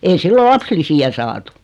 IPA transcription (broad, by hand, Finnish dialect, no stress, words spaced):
ei silːo lɑpslisiæ sɑːtu̥